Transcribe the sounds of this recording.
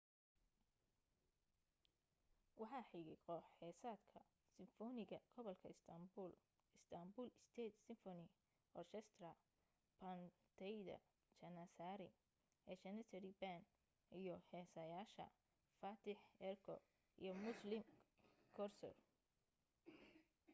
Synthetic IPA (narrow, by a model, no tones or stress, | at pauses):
wɑħɑːħiɣɪqɔħħɛːsaːd̪kʰɐ | sɪɱfɔnɪɣɐɡ̥ɔβɐlkʰɐɪst̪ʰɐmbul | ɪst̪ʰɐmbuːlɪst̪ʰɛːt̪sɪɱfɔnɪ | ɔrt͡ʃʰɛst̪rɐ | pʰɐnt̪ʰɛjd̪ɐ̰ | t͡ʃɐnasaːɾɪ | ʔɛːt͡ʃɐnɐt̪ʰɐɾiban | ijɞhɛːsɐjaːʃɐ̰ | faːt̪ʰɪħɛrkʰɔ̰ | ʔḭjɔmʊslɪmkʰɔrsɔ̰l